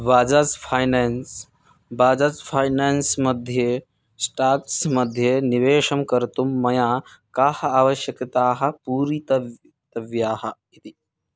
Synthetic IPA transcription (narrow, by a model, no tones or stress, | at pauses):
ʋaːd͡ʒat͡spʰajnens | baːd͡zat͡spʰaːjneːnsmɐd̪ʱje | sʈaːksmɐd̪ʱjeniʋeːʂɐmkɐɾt̪umːɐjaːkaːhɐaːʋɐʃjɐkt̪aːɦɐ̆puːɾit̪ɐ | t̪ɐʋjaːɦɐ̆ɦit̪i